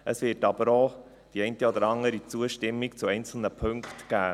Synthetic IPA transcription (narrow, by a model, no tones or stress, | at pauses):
ʔəsʋɪːɾtɑb̥əɾoː | d̥iɛɪntəɔd̪əɾɑŋəɾit͡suəʃtɪmːikt͡suɛɪnt͡sl̩nəpʰɵŋktɡ̥æː